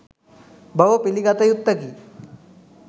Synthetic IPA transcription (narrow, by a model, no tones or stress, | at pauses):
bəʋəpiliɡat̪əjut̪ːəkiː